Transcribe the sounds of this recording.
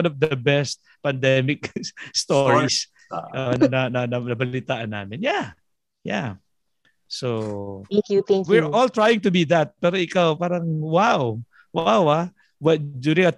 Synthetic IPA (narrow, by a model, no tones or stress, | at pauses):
nɔvd̪ɐbɛst̪̚ | pɐnd̪ɛmɪkst̪oɹis | onɐnɐnɐnɐnɐbɐlɪt̪aːʔɐnːa̰ːmɪnja | ja | soŋkjut̪ɛŋwɪɹʔolt̪ɹajɪ̃ŋt̪ʊbiðɐt̪̚pɛːɾoʔɪkawpaːɾɐŋwaw | wawa | wɐd̪uːɾɪ̃ŋɐ